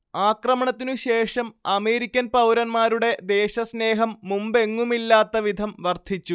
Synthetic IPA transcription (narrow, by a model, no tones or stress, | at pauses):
aːkrɐmɐɳɐt̪ːinuɕe̞ːʂɐmɐme̞ːɾikʲːɐnpɐwɾɐnmaːɾuɽe̞d̪e̞ːɕɐsne̞ːɦɐmːumbe̞ŋːumilːaːt̪ːɐʋid̪ʱɐmʋɐrt̪ʰit͡ɕːu